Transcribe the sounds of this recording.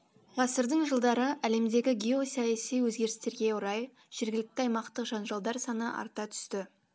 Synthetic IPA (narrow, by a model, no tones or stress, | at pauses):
ʁɑsəɾd̪əɴʒəlˠd̪ɑɾəʔæle̞md̪e̞ɡʲɪɡʲio̞sɑjæsijwɵzɡʲe̞ɾɪst̪e̞ɾɡʲe̞oɾɑj | ʒ̥eɾɡʲɪlɪk̚t̪ɪɑjmɑqt̪əqʒ̥ɑnʒɑlˠd̪ɑɾsɑnəʔɑ̰ɾt̪ɑt̪ʰʏ̥st̪ɪ